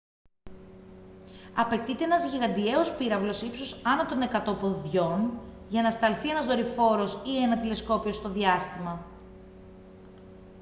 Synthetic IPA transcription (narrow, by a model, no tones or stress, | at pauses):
ɐpe̞t̪it̪e̞enɐzʝiɣɐnd̪ie̞o̞spiɾɐvlo̞sipsosɐnɐt̪one̞kɐt̪o̞po̞ðʝo̞n | ʝɐnɐst̪ɐlθie̞nɐzðo̞ɾifo̞ɾo̞sie̞nɐt̪ile̞sko̞pio̞st̪o̞ðiɐst̪imɐ